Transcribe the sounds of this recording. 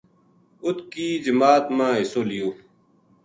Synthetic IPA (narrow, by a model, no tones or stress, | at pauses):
ʊt̪kiːd͡ʑəmaːt̪mãːɦɪsoːlijoː